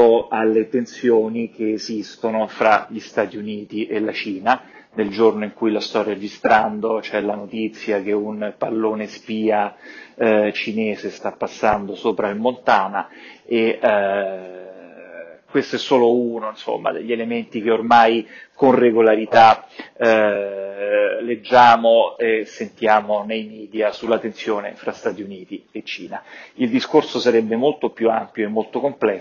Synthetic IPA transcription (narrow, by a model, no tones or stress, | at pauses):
oalːet̪ensjoːnik̟eːzist̪onofɾaʎist̪aːt̪iuniːt̪iʔelat͡ʃiːna | neld͡ʒornoiŋkujlast̪ɔrjeaed͡ʒist̪ɾand̪ot͡ʃɛlanot̪it̪sːjak̟eunpalːoːnespiːa | t͡ʃineːzest̪apːasːand̪osoːpɾailmont̪aːnae | kwest̪oɛsːoːlouːnoinso̰mːa̰d̪ḛʎːelement̪ik̟eormajkonreɡolaɾit̪a | led͡ʒːaːmoesːent̪jaːmonejmiːd̪jasulːat̪ːensjoːnḛfɾast̪aːt̪iuniːt̪iet͡ʃːḭːnaild̪iskorsosaɾɛbːemolt̪opjua̰mpjoemːolt̪okomplɛ